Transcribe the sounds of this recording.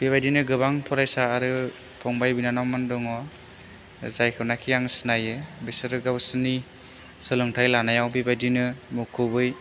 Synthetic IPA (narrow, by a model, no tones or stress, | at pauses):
b̥iβajdinɯɡɯbaŋpʰɔɾajsaːɾɯ | pʰɔŋbajbinanawmandɔŋɔ | zajkʰɯnakʰijaŋsɯnajɯbesɯɾɯɡawsɯni | sɯlɯŋtʰajlanajawbibajdinɯmukʰɯbɯj